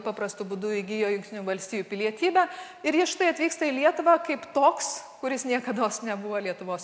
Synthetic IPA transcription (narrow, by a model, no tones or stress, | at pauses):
pɑːpɾɐst̪ʊbʊd̪ʊɪɡʲijoːjʊŋkt̪ʲɪnnʲuːʋɐlʲsʲt̪ʲiːjupʲɪlʲiɛt̪ʲiːbʲæː | ɪɾjɪsʃʲt̪ɐɪɐt̪ʲʋʲiːkst̪ɐɪlʲiɛt̪ʊʋɑkɐɪpt̪oːkskʊɾʲɪsnʲiɛkɐd̪oːsnʲɛbʊʋoːlʲiɛt̪ʊʋoːs